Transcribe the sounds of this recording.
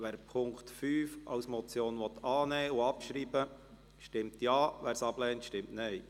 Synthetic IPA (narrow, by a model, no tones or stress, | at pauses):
ʋæːɾpʰʊŋktfyːfɑ̰ʊsmɔt͡sjoːnʋɔt̪ʰɑːnɛːʊɑpʃɾiːbə | ʃtɪmt̪jɑːʋæːɾsɑb̥lɛːntʃtɪmtnɛj